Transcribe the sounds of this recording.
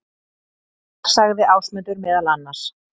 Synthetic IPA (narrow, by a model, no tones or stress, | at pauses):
saɣðɪʔaːwsmɛnt̪ʏɾmɛːðalanːḁs